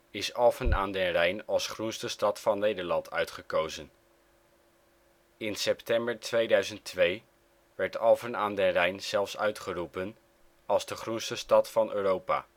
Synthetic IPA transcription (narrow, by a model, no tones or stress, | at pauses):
ɪsɑlˠfənaːndɛnrɛjnɑlˠsχrunstəstɑtfɑnːejdəɹlɑntʰœ̰ɥtχəkowzən | ɪnsɛptɛmbəɹtʰʋejdœɥzəntʰʋej | ʋɛɹtɑlˠvənaːndɛnrɛjnz̥ɛlˠfsœɥtχərupən | ɑlˠzdəχrunstəstɑtfɑnøːrowpa̰ː